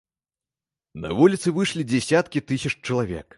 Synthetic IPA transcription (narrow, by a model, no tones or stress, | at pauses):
nɐ̰vulʲit̪sɨvɨʂlʲid͡zʲɛsʲat̪kʲit̪ɨsʲɐt͡ʂt͡ʂɐlˠavʲɛ̰k